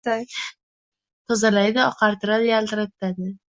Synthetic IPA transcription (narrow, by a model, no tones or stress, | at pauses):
t̪ʰɒzalajd̪ɪɒqʰɑɾt̪ʰɪɾad̪jalt̪ɪɾat̪ːad̪ɪ